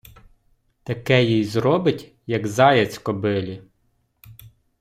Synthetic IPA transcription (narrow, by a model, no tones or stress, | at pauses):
t̪ɐkɛjijzɾɔbɪtʲ | jɐɡzɑjɐt͡sʲkɔbɪlʲi